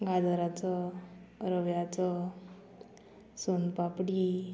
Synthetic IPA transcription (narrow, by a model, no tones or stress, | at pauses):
ɡad̪ɔɾat͡sɔ | ɾɔʋjat͡sɔ | sunpapɽi